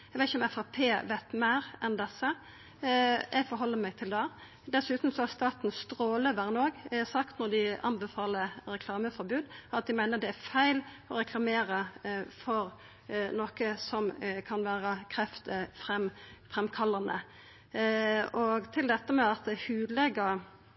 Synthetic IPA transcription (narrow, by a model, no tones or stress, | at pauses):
ɛɡʋæt̪ɪçəɔmɛfɑpʰeːʋæɪt̪mæɪɾɛnd̪ɛsːə | jʔæɡfɔɾɦɔlːəmæɪɡ̚t̪ʰɪld̪æ | d̪ɛsʉːt̪n̩sɔɑɾst̪ɑːt̪n̩st̪ɾoːləʋæɾnoːɡsɑkt̪nɔɾd̪ɪɑnbɛfɑːləɾɛkʰlɑːməfɔɾbʉːd̪ɑt̪̚d̪ɪmæɪnəɾd̪ɛæɾfæɪl | ɔɾɛkʰlɑmeːɾəfɔɾ | noːkəsɔmkʰɑnʋæːɾəkʰɾɛft̪əfʁɛmfʁɛmkʰɑlːɑnə̰ | ɔɡt̪ʰɪld̪ɛt̪ːəmɛɑt̪̚d̪hʉːd̪lɛɡə